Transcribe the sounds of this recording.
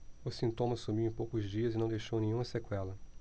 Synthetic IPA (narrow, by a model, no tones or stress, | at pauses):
ʊsĩnt̪õmɐsumiwẽpowkʊzd͡ʒiɐzɪnɐ̃w̃d̪ejʃownẽɲũmɐsekwɛlɐ